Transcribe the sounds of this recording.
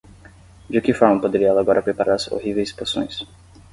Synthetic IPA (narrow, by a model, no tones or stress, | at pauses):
d͡ʒɪkɪfɔɾmɐpod̪eɾiɐɛlɐaɡɔɾʔɐpɾepaɾʔaɾɐzo̰ɦivejsposõ̰j̃s